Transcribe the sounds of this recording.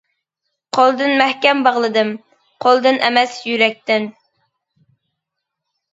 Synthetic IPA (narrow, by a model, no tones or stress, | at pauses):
qʰolˠd̪ɨnmɛhkʲɛmbɑʁlˠɨd̪ɨm | qʰolˠd̪ɨnʔɛmɛsjyɾɛk̚ʲt̪ɪn